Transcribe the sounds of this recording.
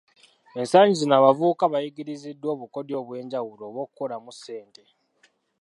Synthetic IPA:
ensaːɲɟizinaβavuːkaβajiɡiɾizidːwo̞ːβuko̞djo̞βwe̞ːɲɟawulo̞ːβwo̞ːkukolamuse̞ːnte̞

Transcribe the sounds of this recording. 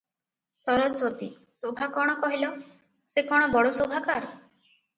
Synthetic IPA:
sɔɾɔswɔt̪i | sobʱakɔɽ̃ɔkɔɦilɔ | sekɔɽ̃ɔbɔɽosobʱakaɾɔ

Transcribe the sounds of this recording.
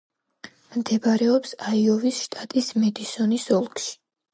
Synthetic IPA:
md̪ɛbaɾɛɔpsaiɔvisʃt̪ʼat̪ʼismɛd̪isɔnisɔlˠkʃi̥

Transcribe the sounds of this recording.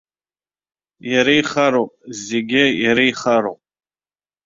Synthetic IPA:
jaɾajχaɾoːpʼzeɡʲɪjaɾajχaɾo̰pʼ

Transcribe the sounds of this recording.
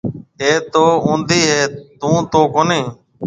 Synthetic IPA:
eːt̪oːũːnd̪iːɦeːt̪ũːt̪oːkoːnẽː

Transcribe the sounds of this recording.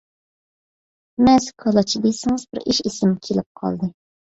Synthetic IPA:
mɛzkʰɑlˠɑt͡ʃʰib̪esɨŋɨzbɪɾiʃisɪmkʲʰelɪp̚qʰɑ̰lˠd̪ɨ

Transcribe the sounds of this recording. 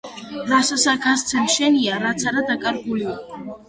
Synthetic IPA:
ɾasasaɡas̬t̪sʰɛmʃɛniaɾat̪sʰaɾad̪akʼaɾɡuliɔ

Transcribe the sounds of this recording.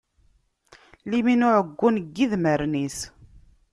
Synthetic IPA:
liminʊʕəɡʷːunɡːiðməɾnis

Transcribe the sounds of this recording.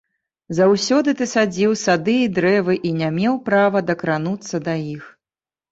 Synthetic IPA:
zawsʲɔd̪ɨt̪ɨsad͡zʲiwsad̪ɨid̪ɾɛvɨʔinʲamʲɛwpɾavɐd̪ɐkɾanut̪sːɐd̪ajix

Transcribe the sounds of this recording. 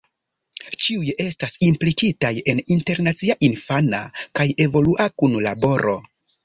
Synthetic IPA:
t͡ʃiuje̞stasimplikitaje̞ninte̞ɾnat͡siaʔinfana̰kaje̞vo̞luʔakunlabo̞ɾʔo̞̰

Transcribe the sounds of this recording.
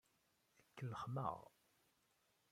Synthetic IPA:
əkːəlːəχmə̰ʁ

